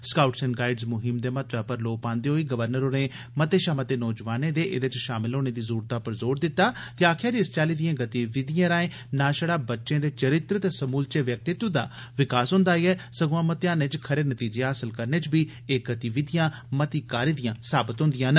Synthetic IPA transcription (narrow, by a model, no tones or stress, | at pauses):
skaːʊʈsənɡaːɪɖzmʊɦɪmd̪eːmət̪ɾaːpəɾloːpãːnd̪eːɦoːiːɡəʋəɾnəɾoːneː | mət̪eːʃaːmət̪eːnɔːd͡ʒʋaːnẽːd̪eːʔɪd̪et͡ʃʃaːmɪlɦoːneːd̪iːzuːɾt̪aːpəɾzoːɾd̪ɪt̪ːaːt̪eaːkʰjaːd͡ʒɪst͡ʃaːliːd̪ijãːɡət̪iʋɪd̪ɪjãːɾaːẽː | naːʃəɽaːbətːʃẽːd̪eːt͡ʃəɾɪt̪ɾt̪eːsəmuːlt͡ʃeːʋjək̚t̪ɪt̪d̪a̰ː | ʋɪkaːsɦʊ̃nd̪aːiːɛːsəɡõãːmət̪eãːneːt͡ʃkʰəɾeːnət̪iːd͡ʒeːɦaːsəlkəɾneːt͡ʃbiː | eːɡət̪iːʋɪd̪ijãː | mət̪iːkaːɾiːd̪ijãːsaːbət̪ɦʊ̃nd̪ijãːnə